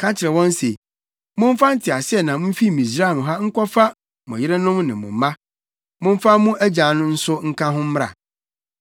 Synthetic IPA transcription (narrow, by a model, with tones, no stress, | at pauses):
kʰa˦t͡ɕʰɪ˨ɾɛ˨wɔ̃˦n˦se˨ | mʊ̃˦m˦fa˦n̩˦tʰɪ˨a˨sɪ˦ɛ˨nã˨mʊ̃˦m˦fi˦˨mĩ˨s̬ɾa˦˨nʊ̃˨ɦa˦ŋ̩˦kʷɔ˦fa˦ | mʊ̃˨jɪ˦ɾɪ˦nʊ̃˦mnɪ̃˨mʊ̰̃˨mã˦ | mʊ̃˦m˦fa˦mũ˦ʔæ˦d͡ʑa˨nʊ̃˦n̩˦sʊ˦ŋ̩˦kʰã˦ɦʊ̃˦m˦ɾa̰˨